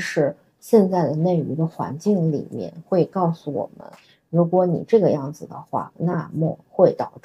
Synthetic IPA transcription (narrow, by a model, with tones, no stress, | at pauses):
ʂɻ̩˧˩ | ɕjɛ˥˧nt͡sa˥˩ɪd̪ə˩ne˥˩ɪy˧˥d̪ə˧xwa̰˧˥nt͡ɕi˥˩ŋlḭ˨˩mjɛ̰˥˧nxwe˥˧ɪkɑ˥˩ʊsu˨˩wɔ̰˨˩mə̰˦n | ɻu˧˥kwɔ˧˥nḭ˨˩ʈ͡ʂɤ˥˩ɡə˩˧jɑ˥˩ŋd͡zɹ̩˨˩d̪ə̰˩xwa̰˥˩na˥˧mɔ˥˩xwe˥˩ɪt̪ɑ˨˩ʊʈ͡ʂ